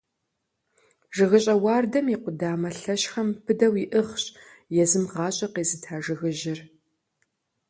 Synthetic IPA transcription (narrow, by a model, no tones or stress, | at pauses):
ʒɨɣɨɕʼɐwɑːrdɐmiqʷʊdaːmɐɬɐɕxɐmpʰɨdɐwiʔɨχɕʼ | jɛzɨmʁɑːɕʼɐqeːzɨtʰaːʒɨɣɨʒɪr